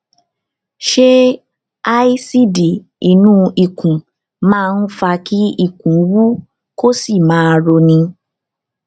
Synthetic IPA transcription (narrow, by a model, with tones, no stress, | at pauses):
ʃe˦ | a˦i˦si˦di˨ | i˨nũ˦i˦˨kũ˨ | mãː˦˧n̩˦fa˧ki˦i˦˨kũ˨˦wu˦ | ko˦si˦˨mãː˨˦˧ɾo˧nĩ˧